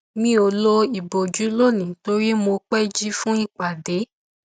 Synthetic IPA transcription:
mĩ˦o˧lo˦i˨bo˨d͡ʒu˨˦lo˦˨nĩ˨to˧˦ɾi˦mo˧k͡pɛ˦d͡ʒi˦fũ˦i˦˨k͡pa˨de˨˦

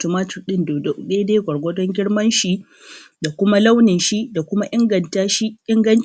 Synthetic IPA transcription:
to˦maː˦tɪ˨rɗɪ˦nddeː˦deː˦ɡʷɐ˨ɽɡʷɔ˦dɔ˦ŋɡʲɪ˦ɽmɐ˦nʃi˦ | da˨kʷʊ˦ma˦la˦wnɪ˨nʃi˦da˨kʷʊ˦ma˦ʔɪ˦ŋɡɐ˨ntaː˦ʃi˦ʔɪ˦ŋɡɐ˦n

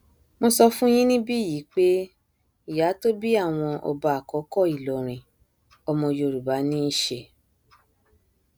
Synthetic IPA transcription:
mo˧sɔ˧fũ˦j̃ĩ˦nĩ˦bi˦˨ji˨˦k͡pe˦ | i˦˨ja˨˦to˦bi˦a˦˨w̃ɔ̃˧ʔɔ̰˧ba˧a˨kɔ˨˦kɔ˦˨i˨lɔ˨ɾ̃ĩ˨ | ɔ˧mɔ̃˧jo˧˨ɾu˨ba˨˦nĩ˦ʃe˧

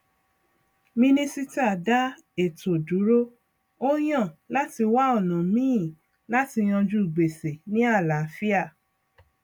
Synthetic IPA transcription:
mĩ˧nĩ˦si˦ta˦˨da˦ | e˦˨to˨du˨˦ɾo˦ | o˦j̃ã˦˨la˦ti˧wa˦ɔ˦˨nɔ̃˨mĩ˦ĩ˦˨ | la˦ti˧j̃ɔ̃˧d͡ʒu˦i˨ɡ͡be˨se˨nĩ˦a˦˨la˨fi˦a˦˨

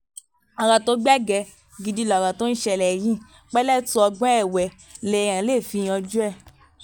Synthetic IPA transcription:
a˨ɾã˨to˧˦ɡ͡ba˦ɡɛ˧ | ɡi˧di˧˦lɔ˨ɾã˨to˦n̩˦ʃɛ˧˨lɛ˨jĩ˦ | k͡pɛ˦lɛ˦tũ˧ɔ˧ɡ͡bɔ̃˦ɛ˦˨wɛ˨ | lɛ˨j̃ã˨˦le˦˨fi˧j̃ã˧d͡ʒu˦ɛ˦˨

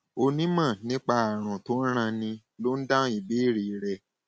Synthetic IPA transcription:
o˧nĩ˦mã˦˨nĩ˦k͡pa˧a˨ɾ̃ɔ̃˨to˦n̩˦ɾ̃ã˧nĩ˧ | lo˦n̩˦dã˦i˨be˨˦i˦˨ɾi˨ɾɛ˧˨

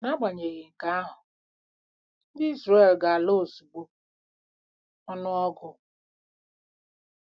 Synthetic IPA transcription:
na˦ɡ͡ba˨ɲe˨ɣɪ˨ŋ̩˨ka˦a˦ɦʊ˨ | n̩˦dɪ˦i˦zɾa˦e˨lɡa˨lo˦˨su˨ɡ͡bo˦ | ɔ˦nʊ˦ɔ˦ɡʊ˦

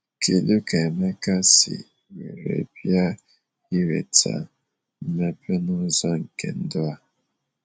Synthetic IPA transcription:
kʰe˨lu˦ke˨e˨me˦ka˦sḭ˨ | we˨ɾḛ˨bja˦ | i˦ɾḛ˨tʰa̰˨ | m̩˦me˦pe˦nʊ˦zɔ˦ŋ̩˨ke˨n̩˦dʊ˦a˦

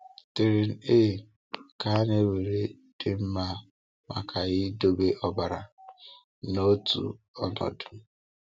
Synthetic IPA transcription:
tɪ˨ɾɪ˨n̩˨e˦˨ | ka˨˦ne˦we˨ɾe˦ | d̥ɪ˨m̩˦ma˦ | ma̰˨kʰa˨ɣɪ˦do˦be˦ʔɔ˦ba˨ɾa̰˨ | no˦tṵ˨ | ɔ̰˦nɔ̰˨dʊ̥˨

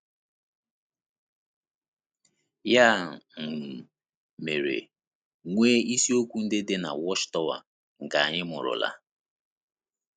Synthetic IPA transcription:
ja˦˨ŋ̩˨ | me˨ɾḛ˨ | ŋʷeː˦i˦si˦o˦kʷu˦n̩˦dɪ˦dɪ˦na̰˨wɔ˦ʃtɔ˦wa̰˨ | ŋ̩˨ka˨a˨ɲɪ˦mʊ̰˨ɾʊ̰˨la̰˦

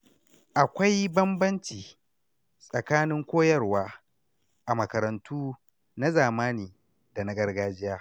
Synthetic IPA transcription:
ʔa˨kʷa˦jbɐ˦mbɐ˦nt͡ʃiː˨ | sʼɐ˨kaː˦nɪ˦ŋkʷoː˦jɐ˦rwaː˦ | ʔa˨mɐ˨kɐ˨ɾɐ˨ntʰuː˦ | na˦zaː˨maː˦niː˨ | da˨na˦ɡɐ˦rɡaː˦d͡ʒɪ˦jaː˦

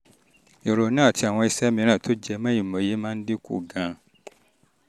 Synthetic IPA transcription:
e˨ɾo˨˦nã˦˨ti˧a˨w̃ɔ̃˧i˧sɛ˦mĩ˧nãː˦˨to˦d͡ʒɛ˧mã˦i˦˨mɔ̃˨je˨˦mãː˦n̩˦de˦kṵ˦˨ɡã˨˦

